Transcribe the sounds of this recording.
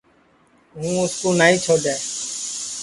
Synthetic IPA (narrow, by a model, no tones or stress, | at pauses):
ɦũːʊskõːnaːɦĩːt͡ʃʰoːɗeː